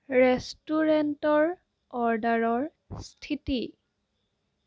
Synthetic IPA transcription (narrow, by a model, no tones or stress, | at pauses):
ɹɛstuɹɛntɔɹ | ɔɹdaɹɔɹ | stʰiti